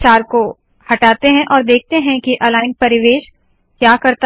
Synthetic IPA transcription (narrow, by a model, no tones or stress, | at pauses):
t͡ʃaːɾko | hɐʈaːt̪eɦɛ̃ʔɔːɾd̪eːk̚t̪eɦɛ̃kiʔɐlaːɪnpɐɾɪʋeːʃ | kjaːkɐɾt̪